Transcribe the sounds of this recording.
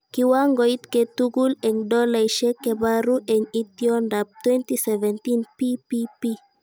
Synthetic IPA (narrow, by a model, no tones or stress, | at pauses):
kiwaŋɡoit̪ket̪uɡuleŋdɔlajʃekebaɾuʔɛŋit̪iɔndap̚t̪wɛ̃nt̪isɛvɛnt̪inpipipi